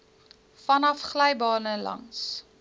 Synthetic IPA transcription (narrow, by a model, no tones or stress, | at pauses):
fɐnɐfχlœjbɑːnəlɐ̰ns